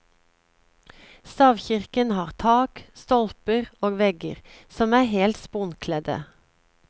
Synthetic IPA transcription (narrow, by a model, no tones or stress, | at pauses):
st̪ɑːʋçɪʁkənhɑːʁt̪ʰɑːkst̪ɔlpəʁoːɡʋɛɡə̰ʁsɔmæːheːlt̪spʊnkʰlɛd̪ə̰